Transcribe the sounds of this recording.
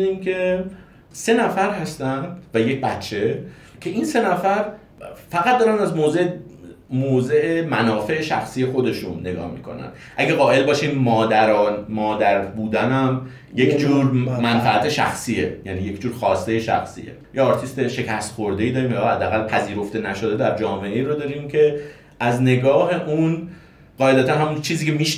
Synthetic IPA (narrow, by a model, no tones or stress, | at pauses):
nimkʰe̞ | se̞næfæɾhæst̪ænd̪̥væjec̚bæt̪t͡ʃʰe̞ | cʰe̞ʔinse̞næfæɾ | fæɣæt̪̚d̪ɒːɾænæzmoːze̞emoːze̞ʔemænɒːfe̞ʔeʃæxsiːje̞xo̞d̪e̞ʃunːe̞ɡɒ̰ːhmḭːkʰo̞̰næ̰n | ʔæɡeɣɒːʔe̞lbɒːʃimmɒːd̪æɾɒːnmɒːd̪æɾbuːd̪ænæm | jekʰd͡ʒuːɾmænfæʔæt̪ʰe̞ʃæ̰xsiːejæniːje̞cd͡ʒuːɾxɒːst̪e̞jeʃæ̰xsḭːe̞̰jeɒɾt̪ʰist̪eʃe̞cʰæst̪xo̞ɾd̪e̞id̪ɒːɾiːmjːhæd̪ːeæɣælpʰæziːɾo̞ft̪e̞næʃo̞d̪e̞d̪æɾd͡ʒɒːme̞ʔe̞iːɾod̪ɒːɾiːmcʰe̞ | ʔæzne̞ɡɒːɦe̞ʔun | ɢɒːe̞d̪æt̪ænhæmunt͡ʃʰiːziːcʰe̞miːʃ